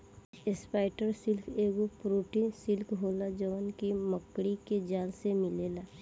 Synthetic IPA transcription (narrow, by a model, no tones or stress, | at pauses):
espaːɪʈəɾsɪlkʰeːɡopɾoːʈinsɪlkɦoːlad͡ʒəʋənkiməkːɽiked͡ʒaːlsemɪleːlaː